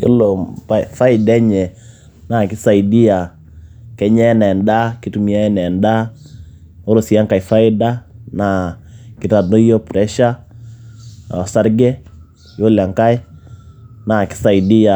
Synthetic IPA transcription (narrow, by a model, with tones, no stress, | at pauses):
jo̰˦lo˨pafa˦ɪ˨dɛ˦ɲɛ˨ | na˨kɪ˦sa˨idi˦ja˨ | kɛ˦ɲɛ˦nɛ˨nda˦ki˦tu˨mi˨a˦ɛ˦nɛ˨nda˦ | o˦ɾo˨si˨a˦ŋka˨i˨fa˦ɪ˦da˦na˨kɪ˦ɾa˨do˦jo˦pɾɛ˦ʃa˦ | ɔ˨sa˦ɾɡɛ˦ | jo˦la˨ŋka˦ɪ˦ | na˨kɪ̥˦sa˨i˨di˦a˨